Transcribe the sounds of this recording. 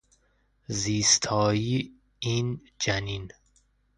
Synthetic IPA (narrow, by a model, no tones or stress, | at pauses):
ziːst̪ʰɒːjiː | iːn | d͡ʒænin